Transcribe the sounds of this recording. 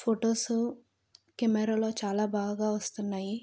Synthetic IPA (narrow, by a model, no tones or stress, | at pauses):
pʰoːʈoːsu | kɛmɛɾalo̞ːt͡ʃaːlaːbaːɡɐɡaːʋɐst̪unːaːji